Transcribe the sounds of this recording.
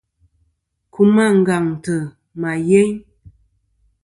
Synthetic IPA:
ku˦ma˦˨ŋ̩˨ɡa˨ŋtə˨ | ma˨je˦ɲ

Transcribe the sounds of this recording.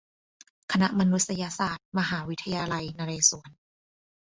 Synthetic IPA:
kʰa˧na˦˥ʔma˧nu˦˥t̪̚sa˧ja˧saː˨˩t̪̚ma˧ɦaː˩˦wi˦˥t̪ʰːa˧jaː˧la˧jnaː˧ɾeː˧su˩˦ən

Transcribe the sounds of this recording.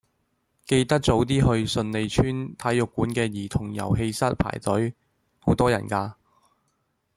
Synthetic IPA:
ke˧jt̪ɐ˥k̚t͡so˨˥wt̪iː˥ɦɵ˧ɥsɵ˧nle˨˧jt͡ʃʰyː˥nt̪ʰɐ˨˥jːʊ˨kːuː˨˥nkɛː˧jiː˨˩t̪ʰʊ˨˩ŋjɐ̰˨˩wɦe˧jsɐ˥t̚pʰa̰ː˨˩jt̪ɵ˨˥ɥ | ho˨˥wt̪ɔː˥jɐ̰˨˩nkaː˧

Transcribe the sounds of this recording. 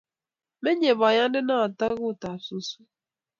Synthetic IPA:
me˦ɲe˨ba˨ɲa˦n̩˦dɪ˦na˦˨a˨ta˦ɣʊ˦˨ta˨su˦su˦

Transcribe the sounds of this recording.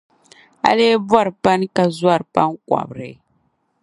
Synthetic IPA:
a̰˦leː˦ba˦ɾɨ˨pa˦n˦ka˦zwa˦˨ɾpa˦ŋ˦ka̰˨bɾɨ˨

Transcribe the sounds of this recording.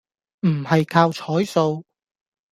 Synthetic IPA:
m̩˨˩hɐ˨jkʰaː˧wt͡ʃʰɔː˨˥jso˧w

